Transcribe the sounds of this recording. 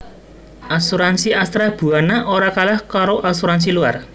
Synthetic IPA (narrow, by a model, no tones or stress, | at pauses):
ʔasuɾansiʔast̪ɾab̥uanaʔoɾakalahkaɾoʔasuɾans̬ilua̰r